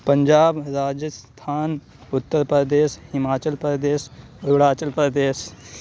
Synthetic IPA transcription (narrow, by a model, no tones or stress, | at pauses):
pə̃ɲd͡ʒaːbɾaːd͡ʒəst̪ʰaːn | ʊt̪ːəɾpɾəd̪eːʃhɪmaːt͡ʃəlpɾəd̪eːʃɾuɽaːt͡ʃəlpɾəd̪eːʃ